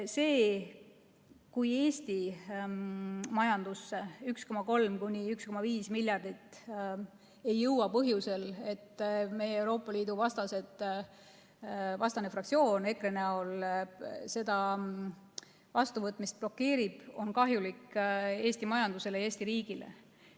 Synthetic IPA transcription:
se̞ː | kuje̞ːsʲt̪i | mɑjɑnd̪̥usːeyksko̞mɑko̞lmkunʲiyksko̞mɑviːsmilʲjɑrd̪̥it̪ː | e̞jːɤwɑpɤɦjuse̞le̞t̪ːme̞jeewɾo̞ːpːˑɑliːd̪̥uvɑst̪ɑse̞d̪ | vɑst̪ɑne̞frɑkt̪sio̞ːne̞kreneo̞l | se̞d̪̥ɑ | vɑst̪uvɤt̪ːˑmist̪̚plo̞kːe̞ːɾib̥o̞nkɑɦjulikːe̞ːsʲt̪imɑjɑnd̪use̞lee̞ːsʲt̪iɾiːɡ̥ile̞̰

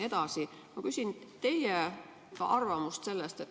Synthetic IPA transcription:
e̞d̪̥ɑsi | mɑkysʲint̪e̞jje | kɑ̰ʔɑrvɑmust̪se̞lːest̪et̪ː

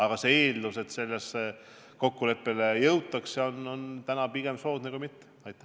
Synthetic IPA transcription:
ɑɡ̥ɑseeːld̪use̞t̪se̞lːese | ko̞kːule̞pːe̞lejɤwt̪ːˑɑkseo̞no̞nt̪ænɑpiɡ̥e̞mso̞ːd̪̥nekuijmit̪ˑː | ɑjt̪ːˑæ

